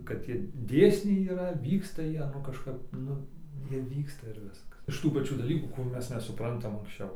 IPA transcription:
kɐt ˈtʲiɛ ˈdʲeːsʲnʲɛɪ iːˈrɐ ˈʋʲiːkstɐ ˈjiɛ nʊ kɐʃˈkɐp ˈnʊ ˈjiɛ ˈʋʲiːkstɐ ɪr ˈʋʲɪskɐs ɪʃ ˈtuː pɐˈt͡ʃʲuː dɐˈlʲiːkuː kʊˈrʲuː ˈmʲɛs nʲɛsʊˈprɐntɐm ɐŋksʲˈt͡ʃʲɛʊ

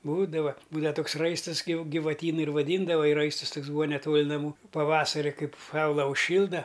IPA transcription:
ˈbuːdɐʋɐ ˈbuːdɐʋɐ ˈtoːks ˈrɐɪstɨs ɡʲɪ ɡʲɪʋɐˈtʲiːnʊ ɪr ʋɐˈdʲiːndɐʋɐ ɪ ˈrɐɪstʊs ˈtoːks ˈbuːɐ nʲɛˈtoːlʲ nɐˈmuː pɐˈʋɑːsɐrʲɪ ˈkɐɪp ˈsɐʊlˠɐ ʊʃʲˈʃʲiːlˠdɐ

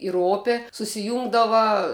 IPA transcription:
ɪr ˈoːpʲeː sʊsʲɪˈjuːŋɡdɐʋɐ

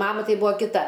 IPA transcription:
ˈmɑːmɐ ˈtɐɪ ˈbuːɐ kʲɪˈtɐ

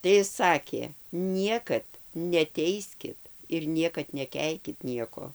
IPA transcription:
tɐɪ ˈɪs ˈsɑːkʲeː ˈnʲiɛkɐt nʲɛˈtʲɛɪsʲkʲɪt ɪr ˈnʲiɛkɐt nʲɛˈkʲɛɪkʲɪt ˈnʲiɛkoː

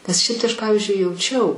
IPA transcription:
nʲɛs ˈʃʲɛɪp tɐɪ ˈɐʃ ˈpɑːʋʲɪzʲd͡ʒʲʊɪ jɛʊˈt͡ʃʲɛʊ

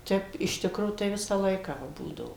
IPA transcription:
ˈtʲɛp ɪʃ ˈtʲɪkroː tɐɪ ˈʋʲɪsɑː ˈlˠɐɪkɑː ˈʋɐ ˈbuːdɐʋoː

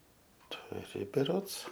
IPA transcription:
tʊˈrʲɪ bʲɛˈroːts

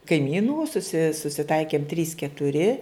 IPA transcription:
kɐɪˈmʲiːnuː sʊˈsʲɪ sʊsʲɪˈtɐɪkʲeːm tʲrʲiːs kʲɛtʊˈrʲɪ

